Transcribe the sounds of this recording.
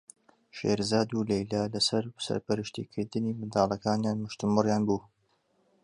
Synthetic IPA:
ʃḛːɾzaːd̪ulejlalɐsɐɾsɐ̰ɾpɐɾɨʃt̪ḭːkʰɨɾd̪ɨniːmɨnd̪aːlˠɐkaːnjaːnmɨʃt̪ɨmɨrjaːnbuː

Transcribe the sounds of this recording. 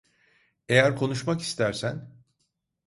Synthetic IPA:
e̞jæɾkʰo̞nuʃmaki̥st̪ʰæɾsæn

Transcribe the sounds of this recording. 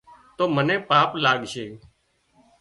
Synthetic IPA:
t̪oːmənẽːpaːplaːɠʃeː

